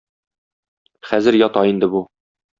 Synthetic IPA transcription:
χæzɘɾjɒt̪ɑind̪ɘ̆bu

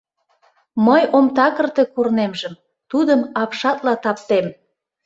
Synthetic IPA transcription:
məjomt̪ɑkə̆rt̪e̽kurnemʒəm | t̪ud̪əmɑpʃɑt̪lɑt̪ɑpt̪em

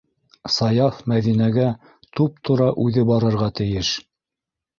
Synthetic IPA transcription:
sɑjɑfmæðinæɡæ | t̪up̚t̪ʰŏɾɑʔʉðɘbɑɾɤ̆ɾʁɑt̪ɘ̆jɘʃ

